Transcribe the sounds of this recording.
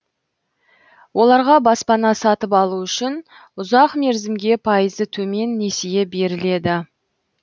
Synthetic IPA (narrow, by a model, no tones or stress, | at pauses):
wʔo̞lˠɑɾʁɑbɑspɑnɑsɑt̪əpɑlˠuʏʃɪn | ʊzɑqme̞ɾzɪmɡʲe̞pʰɑjəzət̪ʰɵme̞nːe̞sejebe̞ɾɪle̞d̪ɪ